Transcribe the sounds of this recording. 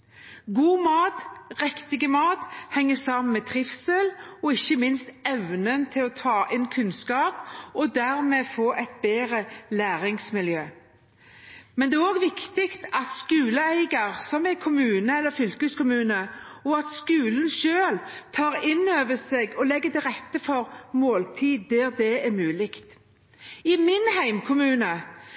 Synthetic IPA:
ɡuːmɑːt̪ʁɛkt̪ɪɡəmɑːt̪hɛŋːəsɑmnmɛt̪ʰʁɪfsɛlɔɪçːəmɪnst̪ɛʋnənt̪ʰɪlɔt̪ʰɑːʔɪnkʰʉnskɑːpɔd̪æɾmeːfoːɾɛɪt̪̚beːʁəlæːɾɪŋsmɪljøː | mɛnd̪ɛːoːɡʋɪkt̪ɪkt̪ɑt̪skʉːləæɪɡəɾsɔmɛkʰʊmʉːnəɛlːəɾfʏlkʉskʊmʉːnəɔɑt̪skʉːln̩ʃøːlt̪ʰɑːʁɪnːøːʋəseːɡɔlɛɡːət̪ɛʁɛt̪ːəfɔɾmoːlt̪ʰiːd̪̚d̪æːɾd̪ɛɛmʉːlɪkt̪ | ɪmɪnhæɪmkʰʊmʉːnə

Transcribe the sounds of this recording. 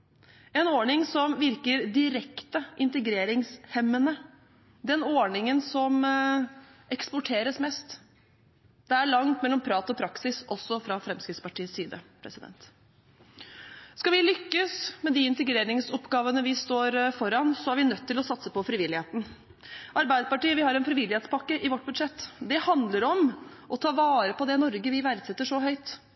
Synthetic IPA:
ɛnoɳɪŋsɔmʋɪɾkəɾd̪ɪɾɛkt̪əʔɪnt̪əɡɾeːɾɪŋshɛmːənə | d̪ɛnoːɳɪŋənsɔm | ʔɛkspɔʈʰeːɾəsmɛːst̪ | d̪ɛæɭɑŋt̪mɛlːɔmpʰɾɑːt̪ɔpʰɾɑksɪsɔsːɔfɾɑfɾɛmskɾɪt̪spɑʈiːəsiːd̪ə̰pʰɾɛ̰sɪd̪ɛ̰nt̪ | skɑʋɪlʏkːəsmɛd̪iɪnt̪əɡɾeːɾɪŋsɔpːɡɑːʋənəʋɪst̪oːɾfɔɾɑnsɔhæɾʋɪnœt̪ʰːɪlɔsɑt̪səpɔfɾɪʋɪlːɪheːt̪n̩ | ʔɑɾbæɪd̪əpɑʈiːəʋɪhɑɾɛnfɾɪʋɪlɪheːt̪spɑkːəʔɪʋɔʈ̚ːbʉd̪ʂɛt̪ːd̪ɛhɑnd̪ləɾɔm | ʔɔt̪ʰɑːʋɑːɾəpɔd̪ɛnɔɾɡəʋɪʋæɾd̪sɛt̪ːəʂɔɦœʏt̪

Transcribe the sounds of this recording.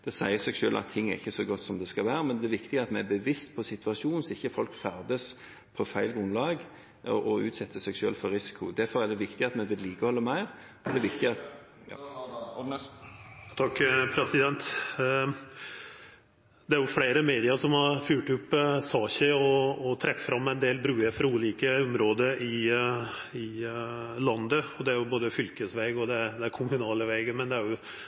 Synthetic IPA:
d̪̥ɛsæɪəsɛɡʃøːlʔɑ̰t̪ʰːɪŋːæɾɪçːəsɔɡɔt̪ːsɔmd̪ɛskɑʋæːɾəmɛnd̪ɛæʋɪkt̪ɪɡɑt̪mɛæbəʋɪst̪pʰɔsɪt̪ʋɑʂuːnsɔɪçːəfɔlkfæɾd̪əs | pʰɔfæɪlɡɾʉnlɑːɡ | ʔɔʔɔʉ̰ːt̪sɛt̪ːəsɛɡʃø̰ːlfɔɾɪsɪ̥kʰʊd̪æɾfɔɾæd̪ɛʋɪkt̪ɪɑt̪mɛʋɪd̪liːkəhɔlːəmæɪɾ | ɔd̪ɛʋɪkt̪ɪɑt̪ː | t̪ʰɑkːpʰɾɛsɪd̪ɛnt̪ | d̪ɛæɾjʊfleɪɾəmeːd̪ɪəɾʂɔmhɑɾfjʉːʈʉpːsɑːçəɔːt̪ʰɾɛffɾɑmːɛɪnd̪eːlbɾʉːəɾfɾuːliːkəʊmɾoːd̪əɪ | ɪ | lɑnd̪əɔd̪ɛæɾjʊboːd̪əfʏlkəsʋɛːɡɔd̪ɛd̪ɛæɾkʰʊmʉnɑːləʋɛːɡəmɛnd̪ɛæɾjʊ

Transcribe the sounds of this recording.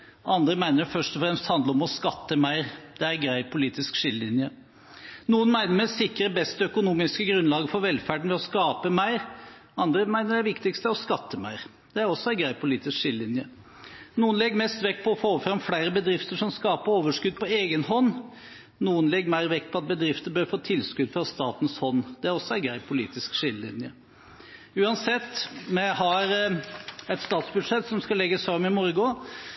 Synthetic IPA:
ʔɑnd̪ɾəmæɪnəfœʂʈɔfɾɛmst̪hɑnd̪ləɾɔmɔskɑt̪ːəmæɪɾd̪ɛæɾɡɾæɪpʰʊliːt̪ɪskʂɪləɪnjə | nuːənmæɪnəɾmɛsɪkɾəbɛst̪əœkʊnuːmɪskəɡɾʉnlɑːɡəfɔɾʋɛlfæːɖəɳ̩ʋɛɔskɑːpəmæɪɾ | ɑnd̪ɾəmæɪnəɖɛʋɪkt̪ɪkst̪əæɾɔskɑt̪ːəmæ̰ɪɾ | d̪̥ɛæɾɔsːɔænɡɾæɪpʰʊliːt̪ɪskʂɪləɪnjə | nuːənlɛɡːmɛst̪ʋɛkːpʰɔːfoːfɾɑmflæɪɾəbəd̪ɾɪft̪əʂɔmskɑːpəɾoːʋəʂkʉd̪̚pʰɔeːɡənhɔnː | nuːənlɛɡmæɪɾʋɛkːpʰɔɑt̪̚bəd̪ɾɪft̪əbøːɾfoːt̪ʰɪlskʉd̪fɾɑst̪ɑːt̪n̩shɔnːd̪̥ɛæɾɔsːɔæɪɡɾæɪpʰʊlḭːt̪ɪskʂɪlːəlɪ̰njə | ʉːɑnsɛt̪ːmɛɦɑɾ | ɛt̪st̪ɑːt̪sbʉd̪ʂɛt̪ːsɔmskɑlɛɡːəsɑmːɪmɔɾɡʊ

